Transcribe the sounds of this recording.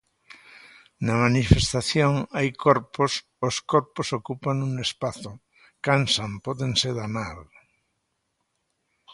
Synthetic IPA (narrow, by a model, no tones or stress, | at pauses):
namanifest̪aθjoŋajkʰoɾpos | oskoɾposokupaŋuŋespaθo | kansampɔðeŋseðamal